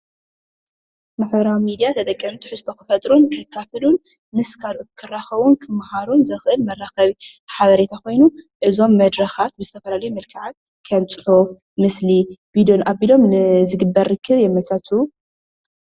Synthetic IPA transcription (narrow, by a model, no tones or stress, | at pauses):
maħβɾawmid̪ijat̪ʰɐt̪ʼɐkʼːinut̪ʰɨ̥ħɨst̪ʰo̞kɨfɐt̪ʼɾunkʰɐkʰːafɨlunmɨskʰalʔukʰɨraxɐβunkʰɨmːahaɾunzɐxʔɨlmɐrːaxɐβiħaβɐɾe̞t̪ʰako̞jnuʔɨzo̞mːɐd̪ɾɐxat̪̚bɨzɨt̪ʰɐfɐlalɐjumɐlkʰɨʕat̪̚ | kʰɐnt͡sʼɨ̥ħuf | mɨslibid̪onʔabilo̞mnɨzɨɡɨbːɐɾːɨkʰːɨβjɛmːɐt͡sʼat͡sʼu